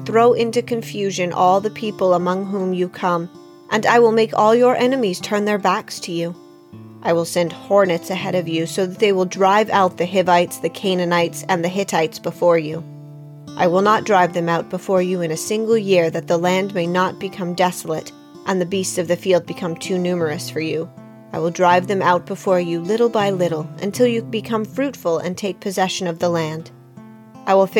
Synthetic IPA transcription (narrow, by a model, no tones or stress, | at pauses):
θɹoʊʔɪ̃ntʉkɨ̃ɱfjʉʒɨ̃nʔɔlˠðɨpʰipl̩ˠəmʌ̃ŋɦũmjɨkʰʌ̃m | ʔɨ̃naɪwəlˠmeɪkɔlˠjə˞ʔɛnɨmiz̥tʰɜ̃˞nðə˞bækstʰɨjʉ | ʔaɪwəlˠsɛ̃nd̚hɔɹnɨtsɨhɛɾʌvjʉsoʊðɨt̪̚ðeɪwəlˠdɹaɪvaʊt̪̚ðɨɦɪvaɪtsðɨkʰẽɪ̃nɨnaɪtsɨ̃nðɨɦɪɾaɪtsb̥əfɔɹjʉ | ʔaɪwəlˠnət̚d̥ɹaɪvðɨ̃maʊt̚b̥əfɔɹjʉɨ̃nɨsɪ̃ŋɡl̩ˠjɪɹðɨt̪̚ðəlæ̃ndmeɪnət̚b̥ɨkʰʌ̃mdɛsl̩ˠəɾ | ʔɨ̃nðɨbistsʌvðɨfilˠd̚bɨkʰʌ̃mtʰʉnʉmə˞ɨsfə˞jʉ | ʔaɪwəlˠdɹaɪvðɨ̃maʊt̚b̥əfɔɹjʉlɪɾl̩ˠbaɪlɪɾl̩ˠʔɨ̰̃ntʰɪlˠjɨbɨkʰʌ̃ɱfɹʉtfl̩ˠɨ̰̃ntʰeɪk̚pʰɨzɛʃɨ̃nʌvðəlæ̃nd̥ | ʔaɪwəlˠf